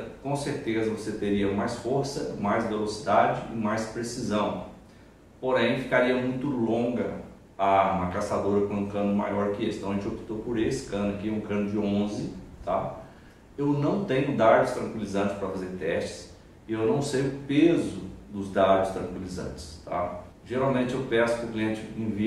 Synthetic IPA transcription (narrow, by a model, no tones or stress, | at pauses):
kõseɾt̪ezɐvoset̪eɾiɐmajsfoɾsɐmajzvelosid̪ad͡ʒɪɪmajspɾesizɐ̃w̃ | poɾẽj̃fikaɾiɐmũj̃t̪ʊlõɡɐ | ɐũmɐkasad̪oɾɐkõũkɐ̃nʊma̰jɔɾkɪesɪ̃t̪ɐ̃ɐʒẽt͡ʃopi̥t̪opʊɾesɪ̥kɐ̃nʊɐkiɛũkɐ̃nʊd͡ʒɪõzɪt̪a̰ | ewnɐ̃w̃t̪ẽɲʊd̪ad̪ʊst̪ɾɐ̃ŋkwilizɐ̃t͡ʃɪ̥spɾɐfazeɾt̪ɛst͡ʃɪ̥s | ɪewnɐ̃w̃seʒʊpezʊd̪ʊzd̪ad̪ʊst̪ɾɐ̃ŋkwilizɐ̰̃nt͡ʃɪ̥st̪a̰ | ʒeɾawmẽnt͡ʃɪewpɛsʊ̥kɪʊkliẽnt͡ʃɪẽvi